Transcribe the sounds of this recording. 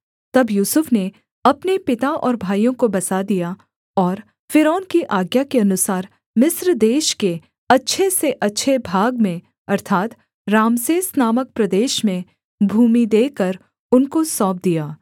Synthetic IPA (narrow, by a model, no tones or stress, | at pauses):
t̪ɐbjuːsʊfne | ɐpnepɪt̪aʔɔːɾbʱaːijõkobɐsad̪ija | ɔːɾ | fɪɾɔːnkiʔaːɡjakeɐnʊsaːɾ | mɪsɾd̪eːʃke | ɐtːʃʰeseʔɐtːʃʰebʱaːɡmẽ | ɐɾt̪ʰaːt̪ | ɾaːmsesnaːmək̚pɾɐd̪eːʃmẽ | bʱuːmid̪eːkəɾ | ʊnkosɔːp̚d̪ijaː